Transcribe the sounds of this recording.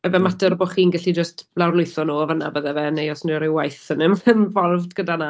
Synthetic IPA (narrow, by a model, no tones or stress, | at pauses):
ɛvɛmatərboːχiːnɡɛɬid͡ʒəstblawrlˠʊjθɔnuːɔvəna̰bəðɛvɛnejɔsnɪɾɪwajθənɪmvɛmvɔrvdɡədana